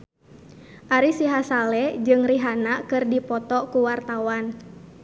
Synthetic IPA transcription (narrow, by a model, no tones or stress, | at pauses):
ʔaɾisiɦasalɛd͡ʒɨŋriɦanakɨrdipɔt̪ɔkuwart̪awan